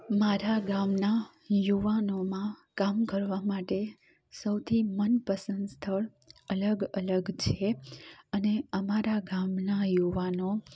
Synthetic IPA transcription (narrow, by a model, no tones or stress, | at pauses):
maɾaɡamna | juʋanomãkamkəɾʋamaʈe | səwt̪ʰimənpəsənd̪st̪ʰəɭ | ələɡələɡt͡ʃʰeəneəmaɾaɡamnajuʋano